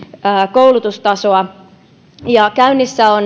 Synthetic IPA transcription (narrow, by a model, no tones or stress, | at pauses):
koulut̪ust̪ɑsoɑ | jɑkæynːisːæon